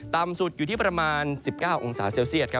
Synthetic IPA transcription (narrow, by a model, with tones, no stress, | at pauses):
t̪aː˧msu˨˩t̪̚juː˨˩t̪ʰiː˥˩pɾa˧maː˧nsi˨˩p̚kaː˥˩wʔo˧ŋsaː˩˦seː˧wsi˥˩ət̪̚kʰa˦˥